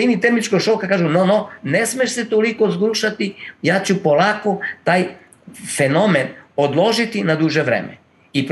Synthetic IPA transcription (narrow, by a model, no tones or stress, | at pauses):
init̪emit͡ʃkoɡʃo̞kakaːʒunonone̞smeʃset̪oliko̞zɡuːʃat̪ijaːt͡ɕupo̞lˠaːkot̪aːj | fe̞no̞menod̪lˠo̞ʒit̪inad̪uʒeʋɾḛːmḛ | ip